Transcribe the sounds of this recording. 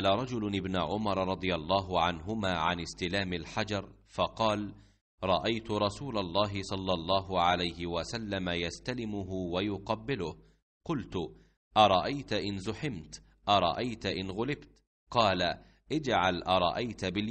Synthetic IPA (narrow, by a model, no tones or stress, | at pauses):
laɾˤɑd͡ʒʊlʔɪbnaʕʊmɑɾˤɾˤɑd̪ˤɨjalˤːɑːɦʊʕanɦʊmaːʕanɪst̪ɪlaːmɪlħad͡ʒɑɾˤ | fɑqɑːl | ɾˤɑʔajt̪ʊɾˤɑsuːlalˤːɑːɦɪsˤɑlːɑlˤːɑːɦʊʕalajhɪwasalːamajast̪alɪmʊɦʊwajʊqɑbːɪlʊh | qʊlt̪ʊ | ʔɑɾˤɑʔajt̪ʔɪnzʊħɪmt̪ | ʔɑɾˤɑ̰ʔajt̪ʔɪnɣʊlɪbt̪ | qɑːla | ʔɪd͡ʒʕalʔɑɾˤɑ̰ʔajt̪bɪl